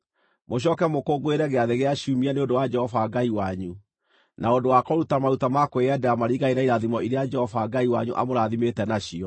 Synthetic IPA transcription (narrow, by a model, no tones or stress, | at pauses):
moɕ̬ɔkɛmokoɡoeɾɛɣeaðeɣeaɕumianeondowad͡ʒɛhɔvaɡaiwaɲu | nʔaondowakɔɾutamaɾutamakoeɛdɛamaɾiɣaiɾaiɾaðimɔiɾead͡ʒɛhɔvaɡaiwa̰ɲuʔa̰moɾaðimetɛnaɕiɔ